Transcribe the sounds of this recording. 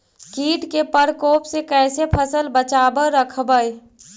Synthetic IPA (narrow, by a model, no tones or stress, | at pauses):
kiːʈkepəɾkoːpsekɛːsepʰəsəlbət͡ʃabəɾəkʰbəj